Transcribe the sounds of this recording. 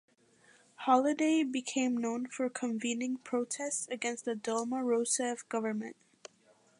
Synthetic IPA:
hɑlˠɨdeɪbɨkʰẽɪ̃mnõʊ̃nfə˞kʰə̃ɱvĩnɪ̃ŋpʰɹ̥oʊtʰɛstsɨɡɛ̃nst̪̚ðɨdolˠməɹoʊsɛfɡ̥ʌvə˞mɨ̰̃nt̚

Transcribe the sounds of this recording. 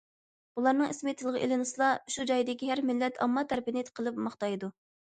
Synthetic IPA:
bulˠɑɾnɨŋismɪt̪ʰɨlˠəʁəʔelɪnɨslˠɑʃud͡ʒɑjd̪ɪkʲihæɾmɪlːɛt̪ʰɑ̰mːɑt̪ʰːæɾpɪnɪqʰəlˠɨpmɑχt̪ɑjd̪u

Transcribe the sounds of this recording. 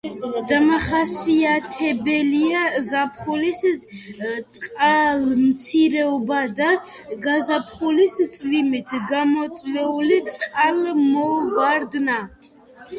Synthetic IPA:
d̪amaχasiat̪ʰɛbɛliazapʰχulis | t̪sʼqʼalmt̪sʰiɾɛɔbad̪a | ɡazapʰχulist̪sʼvimit̪ʰɡamɔt̪sʼvɛulit̪sʼqʼalmɔvaɾd̪na

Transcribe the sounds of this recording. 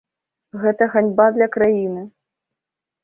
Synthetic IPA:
ɣɛt̪ɐɣanʲbad̪lʲɐkɾajinɨ

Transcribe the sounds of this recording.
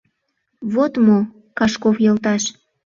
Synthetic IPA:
βot̪mo | kɑʃkofjɤlt̪ɑʃ

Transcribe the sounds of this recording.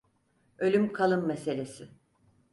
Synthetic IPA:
ø̞lʲymkʰalˠɯmːese̞lʲe̞sɪ

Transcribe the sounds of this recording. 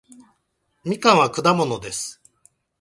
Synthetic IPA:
mʲikãɰ̃βakɯ̟d̪amo̞no̞d̪e̞sɨ̥

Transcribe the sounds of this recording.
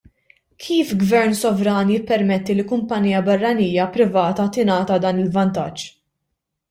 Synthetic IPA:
kʰiːfɡvɛɾnsɔvɾɐːnjɪpːɛɾmɛt̪ːilikʊmpɐniːjɐbɐrːɐniːjɐpɾɪvɐːt̪ɐt̪ɪnɐːt̪ɐd̪ɐːnɪlvɐnt̪ɐd͡ʒː

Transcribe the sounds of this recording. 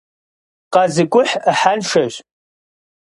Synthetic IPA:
qɑzɨkʷʼʊħaħanʃɐʑ

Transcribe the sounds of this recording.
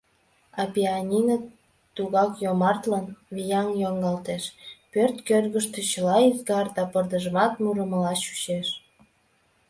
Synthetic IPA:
ɑpʲianʲinə | t̪uɣɑkjomɑrt̪lɑnβijɑŋjoŋɡɑlt̪eʃpørt̪kørɣəʃt̪ĕt͡ɕəlɑizɡɑrd̪ɑpərd̪əʒəmɑt̪muɾəməlɑʃy̥t͡ɕeʃ

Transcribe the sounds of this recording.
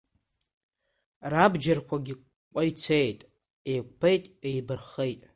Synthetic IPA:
rabd͡ʒarkʷʰaɡʲi | kʷʼajt͡sʰejtʼ | ejk̚ʷʰʼpʰejtʼejbɨrχejtʼ

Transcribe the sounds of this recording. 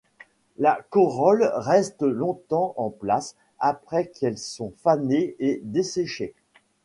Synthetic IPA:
lakɔʁɔlʁɛst̪lɔ̃t̪ɑ̃ʔɑ̃plas | apχɛkʰɛlsɔ̃faneed̪eseʃe

